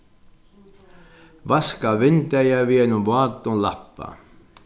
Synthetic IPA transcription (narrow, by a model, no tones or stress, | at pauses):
ʋɑskɑʋent̪æjæʋienyʋoɑt̪ːulɑ̰pːɑ̰ː